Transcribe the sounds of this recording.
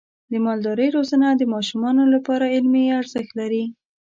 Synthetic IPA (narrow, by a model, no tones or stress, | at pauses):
d̪əmɑld̪ɑɾəjɾozanad̪əmɑʃumɑnolapɑɾaɪlmeaɾzəxt̪laɾi